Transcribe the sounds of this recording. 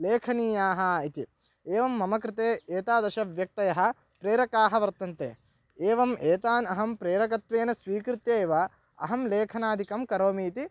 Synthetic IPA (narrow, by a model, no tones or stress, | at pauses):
leːkʰɐniːjaːɦɐit̪i | eːʋɐmːɐmɐkɾɪt̪eːeːt̪aːd̪ɐʃɐʋjɐk̚t̪ɐjɐɦɐ̆ | pɾeːɾɐkaːɦɐʋɐɾt̪ɐnt̪ḛː | eːʋɐmeːt̪aːnɐɦɐmpɾeːɾɐkɐt̪ʋeːnɐsʋiːkɾɪt̪jeːʋɐ | ɐ̰ɦɐmleːkʰɐnaːd̪ʱikɐmkɐɾoːmiːt̪i